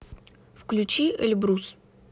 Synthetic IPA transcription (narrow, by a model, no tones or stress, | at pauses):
fklʲʉt͡ɕiʔɛ̰lʲbɾus